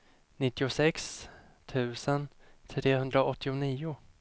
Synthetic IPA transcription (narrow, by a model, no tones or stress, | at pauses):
nɪt̪ːɪʊsɛks | t̪ʰʉ̟ːsənt̪ʰɾeːɦɵnd̪ɾaʔɔt̪ːɪʊniːʊ